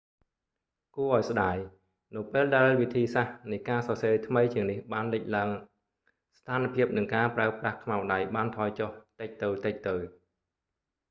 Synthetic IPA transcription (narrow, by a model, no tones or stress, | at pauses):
kuəʔaɔjsɗaːj | nɨwpeːlɗaɛlʋit̪ʰiːsahnɨjkaːsɑseːt̪ʰməjt͡ɕiəŋnihɓaːnlɨc̚laəŋ | st̪ʰaːnpʰiəp̚nɨŋkaːpraəprahkʰmaɔwɗajɓaːnt̪ʰɑːjt͡ɕoht̪ɨc̚t̪ɨwt̪ɨc̚t̪ɨw